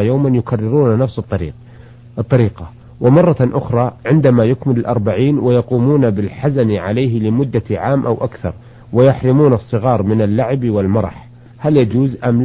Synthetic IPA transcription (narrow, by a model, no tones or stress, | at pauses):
jaːmanjʊkarːɪɾuːnanafsɨt̪ˤːɑɾḭːq̚ | ʔt̪ˤːɑɾiːqɑ | wʔɪmɑrˤːɑʔʊxɾˤɑʕɪnd̪amajʊkmɪlɪlʔɑɾˤbaʕiːnwɪjɑquːmuːnabɪlħazanʕalajɦlɪmʊd̪ːaʕaːmʔawʔakθɑ̰ɾˤ | wɪjaħɾɪmuːnɑsˤːɨɣɑːɾˤmɪnalːaʕɪbwɪlmɑɾˤɑ̰ħ | haljad͡ʒuːzʔam